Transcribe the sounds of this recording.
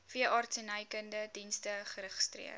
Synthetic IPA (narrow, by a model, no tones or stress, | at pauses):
fiəʔɑːrtsenɐjkəndədinstəχəɾəχə̥strḭər